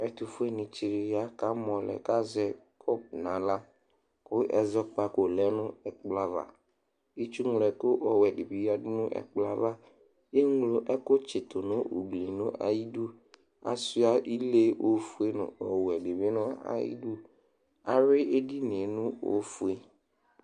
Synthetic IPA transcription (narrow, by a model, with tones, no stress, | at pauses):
ɛ˨t̪u˨fu˦e˦nɪ̃˨t͡ʃi˨ɾɪ˨ja˦ka˦mɔ̃˨lɛ̰˨ka˦zɛ˦kʰɔ˦p̚nã˨la˦ | kʊ˦ʔɛ̰˨zɔ˦k͡pa˦ko˨lɛ˦nʊ̃˦ɛ˨k͡pla˦va̰˨ | i˦t͡ʃu˦ŋ˨lɛ˨kʊ˦ʔɔ˨wɛ˨dɪ˨bi˨˦a˦dʊ˦nʊ̃˦ʔɛ̰˨k͡pla˨va˦ | je˦ŋ˦lo˨˦ʔɛ˦kʊ˦t͡ʃɪ˨t̪ʊ˨nʊ̃˦o̰˨ɡ͡bli˨nʊ̃˦ʔa̰˨ji˦du˦ | a̰˨su˦a˨ʔi˦le˦o˦fu˦e˦nʊ̰̃˨ɔ˨wɛ˨dɪ˨bɪ˦nʊ̃˦a̰˦jḭ˦du˦ | a˨ɾɪ˦ʔe˦di˦ne˨nʊ̃˦o̰˦fu˨e˦